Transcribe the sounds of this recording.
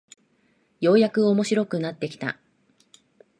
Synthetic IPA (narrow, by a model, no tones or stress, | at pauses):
jo̞ːjakɯ̟omo̞ɕiɾo̞kɯ̟nat̪ːe̞kʲi̥t̪a̰